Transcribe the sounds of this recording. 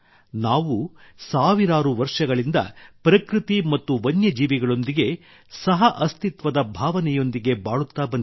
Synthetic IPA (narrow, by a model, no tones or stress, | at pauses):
naːʋusaːʋiɾaːɾuʋɐɾʂɐɡɐɭind̪ɐ̰pɾɐkɾit̪imɐt̪ːuʋɐnjɐd͡ʒiːʋiɡɐɭo̞nd̪iɡe̞ | sɐɦɐʔɐst̪it̪ʋɐd̪ɐbʱaːʋɐnɛjo̞nd̪iɡe̞baːɭut̪ːaːbɐnd̪